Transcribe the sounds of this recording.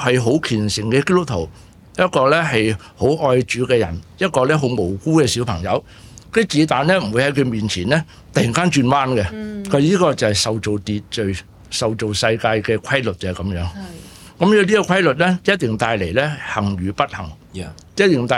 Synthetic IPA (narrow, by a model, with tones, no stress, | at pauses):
hɐ˨jɦo˨˥wkʰiː˨˩nsɪ˨˩ŋkɛː˧keː˥t̪ʊ˥k̚t̪ʰo̰˨˩w | jɐ˥t̚kɔː˧lɛː˥ɦɐ˨j | ho˨˥wʔɔː˧jt͡ʃyː˨˥kɛː˧jɐ̰˨˩njɐ˥t̚kɔː˧lɛː˥ɦo˨˥wmo˨˩wkuː˥kɛː˧siː˨˥wpʰɐ˨˩ŋjɐ˨˧w | kɵ˥˨˥t͡siː˨˥t̪aː˨nlɛː˥m̩˨˩wu˨˧jhɐ˨˥jkʰɵ˧ɥmiː˨nt͡sʰiː˨˩nlɛː˥ | t̪ɐ˨ji˨ŋkaː˥nt͡ʃyː˧nwaː˥nkɛ˧kʰɐ˨˥niː˥kɔː˧t͡sɐ˨whɐ˨jsɐ˨wt͡so˨wt̪iː˨t̚t͡ʃɵ˨˩ɥ | sɐ˨˩wt͡so˨wsɐ˧jkaː˧jkɛː˧kʷʰwɐ˥jlɵ˨t̚kɛ˧˨˩kɐ˨˥mjœː˨˥ŋ | kɐ˨˥mjɛː˨˥liː˥kɔ˧kʷʰɐ˥jlɵ˨t̚lɛː˥jɐ˥t̚t̪ɪ˨ŋt̪aː˧jle˨˩jlɛː˥hɐ˨˩ŋɥyː˨pɐ˥t̚hɐ̰˨˩ŋ | jt̚t̪ɪ˨˩ŋt̪aː˧